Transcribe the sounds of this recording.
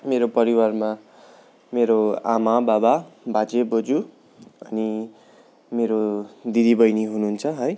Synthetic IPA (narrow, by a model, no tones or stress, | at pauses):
meɾopʌɾiwarma | meɾoa̰mabababʱat͡sebod͡zu | ʌni | meɾod̪id̪ibʌjniɦununt͡sʰʌɦʌj